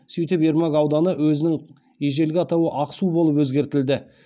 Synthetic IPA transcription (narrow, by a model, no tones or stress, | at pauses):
sʏjt̪ɪpeɾmaɡɑwd̪ɑnəwɵzɪnɪŋ | eʒe̞lɡʲɪɑt̪ɑwəʔɑqsubo̞lˠəp̬wɵzɡʲe̞ɾt̪ɪld̪ɪ